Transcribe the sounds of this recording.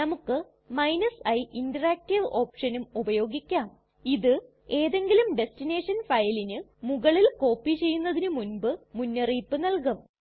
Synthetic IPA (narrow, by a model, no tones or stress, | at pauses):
nɐmukːɨ | mɐjnɐsɐjʔindɐraːk̚tiʋo̞ːpʂɐnumubɐjo̞ːɡikʲːaːm | iðɨ | e̞ːðe̞ŋɡilumɖe̞stine̞ːʂɐnfɐjlinɨmuɣɐɭilko̞ːpːit͡ɕe̞jːunːɐðinɨmunbɨmunːɐriːpːɨnɐlkɐm